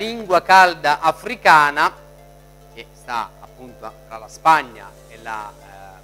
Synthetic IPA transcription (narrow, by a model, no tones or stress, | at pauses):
liŋɡwakald̪aʔafɾikaːna | k̟est̪a̰a̰pːunt̪oat̪ɾalaspaɲːa̰ | ela̰